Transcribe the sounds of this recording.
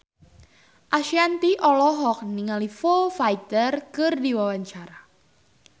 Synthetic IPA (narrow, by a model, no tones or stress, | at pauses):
ʔaʃiant̪iʔɔlɔɦɔk̚niŋalifofajt̪ərkərdiwawaɲt͡ʃaɾa